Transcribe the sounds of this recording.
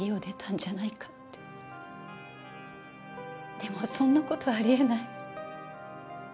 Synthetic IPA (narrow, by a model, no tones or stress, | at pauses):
iod̪e̞t̪ʰãɲ̟d͡ʑanaikḁt̪ːe | d̪̥e̞mo̞sõ̞nːako̞t̪o̞βaɾʲie̞nai